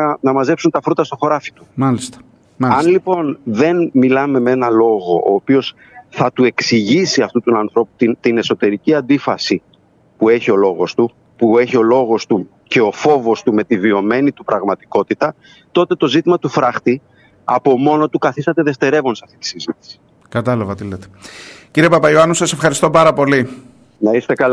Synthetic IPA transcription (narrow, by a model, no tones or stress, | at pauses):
nɐmɐze̞psunt̪ɐfɾut̪ɐst̪o̞xo̞ɾɐfi̥t̪u̥mɐlist̪ɐ | ɐɐnlipo̞nðe̞nmilɐme̞mee̞nɐlo̞ɣo̞ʔoːpio̞s | θɐt̪ue̞ksiʝisiɐft̪ut̪unɐnθɾo̞pu̥t̪int̪ine̞so̞t̪e̞ɾiciɐnd̪ifɐsi | pue̞çio̞lo̞ɣo̞st̪u | pue̞çio̞lo̞ɣo̞st̪u | ce̞o̞fo̞vo̞st̪ume̞t̪ivio̞me̞nit̪upɾɐɣmɐt̪i̥ko̞t̪it̪ɐ | t̪o̞t̪e̞t̪o̞zit̪imɐt̪ufɾɐxt̪i | ɐpo̞mo̞no̞t̪ukɐθist̪ɐt̪e̞ðe̞ft̪e̞ɾe̞vo̞nsɐft̪i̥t̪i̥sizit̪i̥si̥ | kɐt̪ɐlɐvɐt̪ilet̪e̥ciɾiepɐpɐioɐnusɐse̞fxɐɾist̪o̞pɐɾɐpo̞li | nɐist̪e̞kɐl